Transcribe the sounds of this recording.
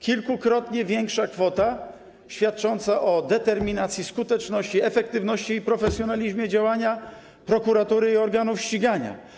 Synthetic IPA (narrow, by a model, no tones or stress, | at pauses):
kʲilkukɾɔt̪ɲɛvʲjɛŋkʂakfɔt̪a | ɕfʲjat̪̚t͡ʂɔnt̪saʔɔd̪ɛt̪ɛɾmʲinat̪sʲjiskut̪ɛt͡ʂnɔɕt͡ɕiɛfɛkt̪ɘvnɔɕt͡ɕiːpɾɔfɛsʲjɔnalʲiʑmʲjɛd͡ʑawaɲa | pɾɔkuɾat̪uɾɘiɔɾɡanufɕt͡ɕiɡaɲa̰